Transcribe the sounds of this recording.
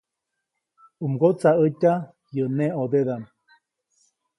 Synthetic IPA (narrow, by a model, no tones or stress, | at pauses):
umɡot͡saətʲa | jəneod̪eðan